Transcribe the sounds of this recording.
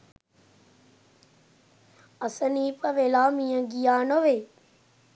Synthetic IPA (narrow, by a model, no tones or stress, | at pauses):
ɐsəniːpɐʋelaːmĩjə̃ɡijaːnoʋeː